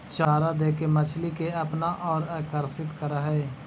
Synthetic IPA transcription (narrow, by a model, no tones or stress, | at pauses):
t͡ʃaːɾad̪eːkemət͡ʃʰlikeɐpnaʔɔːɾaːkəɾsɪt̪kəɾaɦɛː